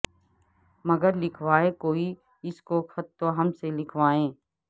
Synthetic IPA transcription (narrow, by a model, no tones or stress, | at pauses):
mɐɡəɾlɪkʰʋaːekoːi | ɪskokʰɐt̪ːoɦɐmselɪkʰʋaːẽː